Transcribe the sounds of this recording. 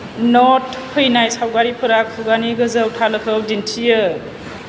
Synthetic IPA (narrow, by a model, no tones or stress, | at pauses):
nɔtpʰɯjnajsawɡaɾipʰɯɾakʰuɡaniɡɯzɯwtʰalɯkʰɯwdintʰijɯ